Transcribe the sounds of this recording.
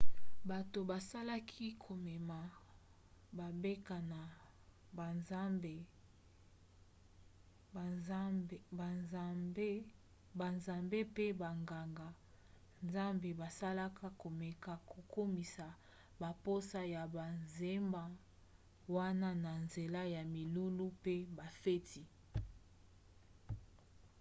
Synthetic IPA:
ba˨to˨ba˨sa˦la˦kʰi˦kʰo˨mɛ˨ma˨ | ba˨be˦ka˨na˨ | ba˨nza˦mbe˨˦ | ba˨nzmbe˦ | ba˨nza˨mbe˦pe˦ba˨ŋɡa˨ŋɡa˨ | nza˦mbe˨ba˨sa˦la˦kʰa˦ko˨mɛ˨ka˨ko˨ko˦mi˨sa˨ | ba˨po˦sa˦ja˨ba˨nze˦mba˦ | wa˦na˦na˨nze˨la˦ja˨mi˨lu˦lu˦pe˦ba˨fe˦ti˦

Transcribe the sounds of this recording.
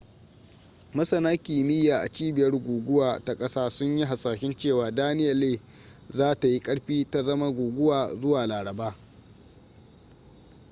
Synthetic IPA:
mɐ˦sɐ˨naː˦kʲiː˨mɪ˦jaː˨ʔa̰˨t͡ʃiː˦bɪ˨jɐ˦rɡʷuː˨ɡʷʊ˦waː˨ta˨kʼɐ˦saː˦sʊ˦ɲji˦ɦa˨saː˨ʃɪ˦nt͡ʃeː˦˨waː˨daː˦nɪ˦jɐ˨leː˦˨ | zaː˦ta˨ji˦kʼɐ˦ɽɸiː˦ta˨zɐ˦ma˦ɡʷuː˨ɡʷʊ˦waː˨zʊ˦waː˨laː˨ɽɐ˨baː˦

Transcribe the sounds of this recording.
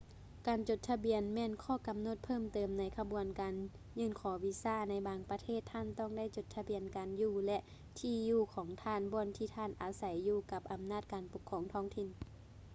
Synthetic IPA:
kaː˨nt͡ɕo˧˦t̪̚t̪ʰːa˧bi˨ənmɛː˧˥˨nkʰɔː˧˩˨ka˨mno˧˦t̪̚pʰɤː˥˨mt̪ɤː˨˩mna˨˧˥jkʰa˧bu˨ənkaː˨n | ɲɯː˧˨nkʰɔː˨˦wi˧saː˧˥˨na˧˥jbaː˨˩ŋpa˧t̪ʰeː˥˩˨t̪ʰːaː˧˥˨nt̪ɔ˧˥˨ŋda˥˨jt͡ɕo˧˩t̪ʰːa˧bi˨ənkaː˨njuː˧˩lɛ˧ʔ | t̪ʰiː˧juː˧˩kʰɔː˨˦ŋt̪ʰaː˧˥˨nbɔː˧˨nt̪ʰiː˧˩t̪ʰaː˧˥˨nʔaː˨sa˨˦jːuː˧˩ka˧˦p̚ʔa˨mnaː˧˥˩t̪̚kaː˨npo˨˧˦kʰːɔː˨˦ŋt̪ʰɔː˧˥˨ŋt̪ʰi˧˩˨n

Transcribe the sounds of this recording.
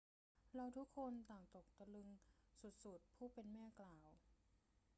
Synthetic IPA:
ɾa˧wt̪ʰu˦˥kʰːo˧nt̪aː˨˩ŋt̪o˨˩k̚t̪a˧lɯ˧ŋsu˨˩t̪̚su˨˩t̪̚pʰuː˥˩pe˧nmɛː˥˩klaː˨˩w

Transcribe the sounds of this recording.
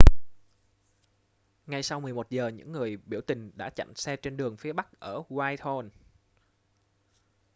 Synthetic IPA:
ŋa˧jsa˧wmɨ˨˩əjmo˨˩t̚zəː˨˩ɲɨ̰˧˥ŋːɨ˨˩əjɓi˧˩əwt̪ï˨˩ŋ̟ɗa̰ː˧˥t͡ɕa̰˧˨msɛ˧t͡ɕe˧nɗɨ˨˩əŋfi˨˦əɓa˦˥k̚ʔəː˧˩waː˧jt̪ʰo˧n

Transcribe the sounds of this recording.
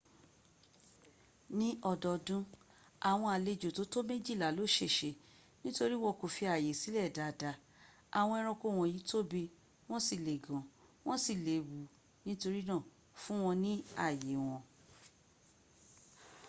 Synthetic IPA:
nĩ˦ɔ˧˨dɔ˧˨dũ˦ | a˨w̃ɔ̃˧a˨le˧˨d͡ʒo˨to˨˦to˦mẽ˦d͡ʒi˦˨la˨lo˨˦˨ʃe˦˨ʃe˧˨ | nĩ˦to˧ɾi˦w̃ɔ̃˧ko˨fi˧a˨je˨si˨˦lɛ˦˨da˨da˨˦ | a˨w̃ɔ̃˧ɛ˧ɾ̃ɔ̃˧ko˦˨w̃ɔ̃˧˨ji˨˦to˦be˧ | w̃ɔ̃˦si˦˨le˨ɡɔ̃˨w̃ɔ̃˦si˦˨le˨wu˨˦ | nĩ˦to˧ɾi˦nã˦˨ | fũ˦w̃ɔ̃˧nĩ˦a˦˨je˨w̃ɔ̃˧

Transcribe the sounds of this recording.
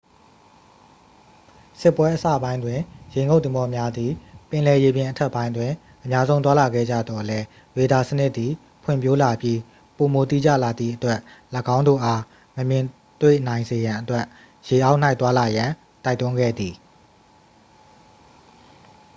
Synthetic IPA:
sɪ˦˨pwɛ˦ʔəsä̰˦˨bã˦ɪ̃ndwɪ̃˨jẽ˨ŋɡo˦ʊʔt̪ɪ̃˨mɔ˨˦mja˦d̪i˨pɪ̃˨lɛ˨je˨bjɪ̃˨ʔətʰɛ˦ʔpːã˦ɪ̃ndwɪ̃˨ | ʔə˨mja˦zõ˦ʊ̃nt̪wa˦la˨ɡɛ̰˦˨d͡ʑä̰˦˨d̪ɔ˨lɛ˦ | ɹe˨da˨sənɪ˦ʔt̪ːi˨ | pʰwɪ̰̃˦˨mpjo˦la˨pji˦ | po˨mo˨t̪ḭ˦˨d͡ʑä̰˦˨la˨d̪ðḭ˦˨ʔətwɛ˦ʔləɡã˦ʊ̃ndo̰˦˨ʔa˦ | məmjɪ̃˨ | t̪wḛ˦˨n̥ã˨ɪ̃nze˨jã˨ʔətwɛ˦ʔ | je˨ʔa˦ʊʔn̥a˦ɪt̪wa˦la˨jã˨ | ta˦ɪt̪ʊ̃˦ŋɡɛ̰˦˨d̪ði˨

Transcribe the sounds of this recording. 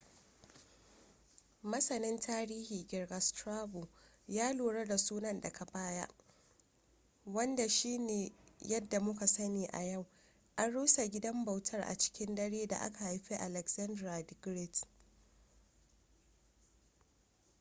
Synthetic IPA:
mɐ˦sɐ˨nɪ˦ntʰaː˦ɾiː˦hiː˨ɡʲɪ˨rɡɐ˨stɾaː˦bu˨ | jaː˦loː˨ɽɐ˦da˨suː˦nɐ˨nda˨ka˨baː˦ja̰˦ʔ | wɐ˦nda˨ʃiː˦neː˨jɐ˦dːa˨mʊ˦ka˨sɐ˦niː˨ʔa̰˨jɐ˦˨w | ʔa˦nɽuː˦sa˨ɡʲɪ˦dɐ˦mba˨wtʰɐ˦rʔa̰˨t͡ʃɪ̥˦kʲɪ˦ndɐ˦ɽeː˦da̰˨ʔa̰˦ka˨ha˨jɸi˦ʔa˨lɛ˨ksɐ˦ndɾa˨dɪ˦ɡɾɪ˦t

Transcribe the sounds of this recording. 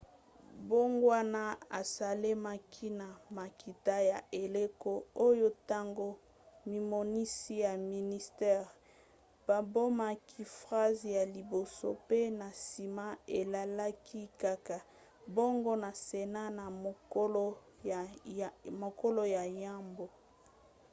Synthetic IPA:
bo˦ŋɡwa˦na˦a̰˨sa˨le˦ma˦kʰi˦na˨ma˨ki˨ta˦ja˨ʔe˨le˦ko˦o˦jo˦ta˦ŋɡo˦ | mi˨mo˨ni˦si˦ja˨mi˨ni˦stɛ˦ʁ | b̥a˨bo˦ma˦kʰi˦fʁa˦zja˨li˨bo˨so̰˦pe˦na˨si˨ma˦e˨la˨la˦kʰi˦ka˦ka˨ | bo˦ŋɡo˦na˨se˨na˦na˨mo˨˦l | mo˨ko˦lo˦ja˨ja˦mbo˨

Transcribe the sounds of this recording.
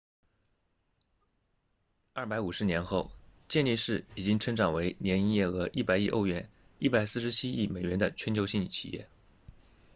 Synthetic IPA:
ɐ˥˩pa˧˥ɪu˨˩ʂɻ̩˧˥njɛ˧˥nxo˥˧ʊt͡ɕjɛ˥˧nli˥˧ʂɻ̩˥˩i˨˩t͡ɕi˥ŋʈ͡ʂʰɤ˥ŋʈ͡ʂɑ˨˩ŋwe˧˥ɪnjɛ˧˥ni˥jɛ˥˩ɤ˧˥ʔi˥˩pa˨˩ɪi˥˧ʔo̰˥˧ʊɥɛ˥˩n | i˥˩pa˨˩ɪsɹ̩˥˩ʂɻ̩˧˥t͡ɕʰi˥i˥˩me˨˩ɪɥɛ˧˥nd̪ə˧t͡ɕʰɥɛ˧˥nt͡ɕʰjɕi˥˧ŋ˥˩t͡ɕʰḭ˨˩jɛ̰˥˩

